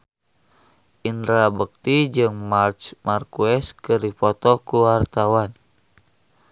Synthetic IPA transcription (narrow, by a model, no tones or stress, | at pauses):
ʔind̪ɾabək̚t̪id͡ʒɨŋmart͡ʃmarkuɛskɨrdipɔt̪ɔkuwart̪awan